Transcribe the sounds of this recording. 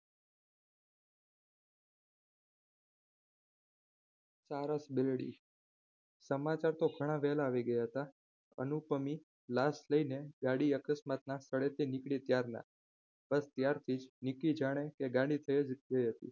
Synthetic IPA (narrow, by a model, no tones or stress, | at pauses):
saɾasbɪlɽḭ | səmat͡ʃaɾt̪oɡʱəɽ̃ãʋɛlaːʋiɡəjaɦət̪a | ə̰nupəmi | lasləineɡaɽiəkəsmat̪nasəɽet̪ʰinikɽit̪jaɾna̰ | b̥əst̪jaɾt̪ʰid͡ʒnikid͡ʒaɽ̃ekeɡaɽit̪ʰəjed͡ʒɡəiɦət̪ḭ